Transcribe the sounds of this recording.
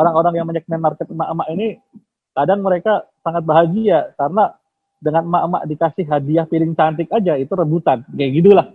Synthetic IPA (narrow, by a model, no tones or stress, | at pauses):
oɾaŋoɾaŋjaŋməɲək̚mɛnart̪ət̪̚maʔmaʔini | kadaŋməɾekasaŋat̪̚baɦaɡiakarəna | dəŋanmaʔma̰ʔdikasɪhɦadiahpilɪŋt͡ʃant̪ɪk̚ad͡ʒait̪uɾəbut̪anɡajɡit̪ulah